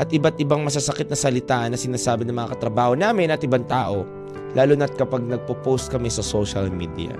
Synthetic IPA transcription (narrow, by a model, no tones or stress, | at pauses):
ʔɐt̪̚ʔɪbat̪̚ʔɪbaŋmɐs̬asɐkɪt̪̚nɐsɐlɪt̪aːʔɐnːɐsɪnaːsaːbɪnɐŋmɐŋa̰kɐt̪ɾɐbaːhonaːmɪnʔɐt̪ʔɪbaŋt̪aːʔo̞ | lʔaːlʊnɐt̪̚kɐpaɡ̚nɐɡ̚popowst̪̚kɐmɛsɐsoʃɐlmḭːd̪jɐ̰